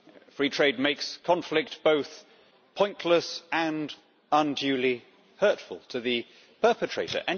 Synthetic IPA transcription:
fɹiːtʰɹ̥eɪd̚meɪkskʰɑ̃ɱflɪk̚t̚b̥oʊθ | pʰɔ̃ɪ̃nʔʰləsə̃nd | ə̃ndjʉli | hɜˑ˞tfə̰lˠtʰɨðɨ | pʰɜˑ˞pɨtʰɹ̥eɪɾə̰˞ʔɨ̃

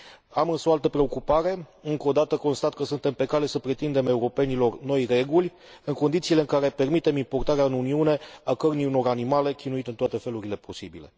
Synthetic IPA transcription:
amɨnsoalt̪əpɾe̞o̞kupaɾe̞ɨŋko̞d̪at̪əko̞nst̪at̪kəsunt̪e̞mpe̞kale̞səpɾe̞t̪ind̪e̞me̞uɾo̞pe̞nilo̞rno̞jre̞ɡulʲ | ɨŋko̞nd̪it̪siːle̞ɨŋkaɾe̞pe̞rmit̪e̞mimpo̞rt̪aɾeaɨnuniune̞akərniuno̞ɾanimale̞kʲinuit̪ɨnt̪oat̪e̞fe̞luɾile̞pʰo̞sibile̞̰

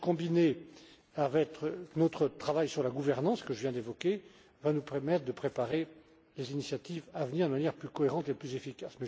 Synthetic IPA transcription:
kɔ̃bine | avɛkχnɔt̪χət̪χavajsyʁlaɡuvɛʁnɑ̃skəʒəvjɛ̃d̪evɔkʲe | vanupɛʁmɛt̪χəd̪əpχepaʁe | lezinisjat̪ivavəniʁd̪əmanjɛʁplykɔeʁɑ̃t̪eplyzefikasmɛ

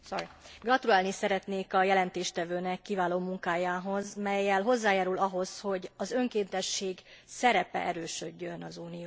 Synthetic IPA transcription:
soɾiɡrɒt̪ulaːlnisɛɾɛt̪neːkɒjɛlɛnt̪eːʃt̪ɛvøːnɛkːivaːloːmuŋkaːjaːɦo̞zmɛjːɛlɦo̞zːaːjaːɾylɒɦo̞sho̞ɟɒzø̞ŋkeːnt̪ɛʃːeːɡ | sɛɾɛpɛ̰ʔɛɾøːʃø̞ɟːø̞nɒzuːnijoː

